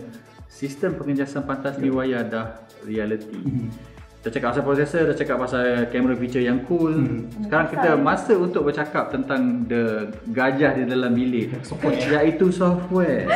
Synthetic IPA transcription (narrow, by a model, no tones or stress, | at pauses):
sist̪əmpəŋəd͡ʒasanpant̪asniwajadah | rialət̪i | t̪ət͡ʃakap̚ːasapɾosɛsət̪ət͡ʃakap̚ːasalkɛməɾofit͡ʃəjaŋkulsə̥kaɾaŋkit̪əmãsəunt̪ʊk̚bərt͡ʃakap̚t̪ənt̪aŋdə | ɡad͡ʒahdidalambilɪʔjait̪usɔftwɛ